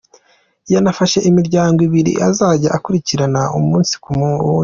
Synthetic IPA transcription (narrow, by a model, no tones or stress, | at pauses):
janafaʃe̞ʔimiɾɟaːŋɡwiβiɾḭʔazaːɟaʔakuɾiciɾanaumuːnsi̥kumː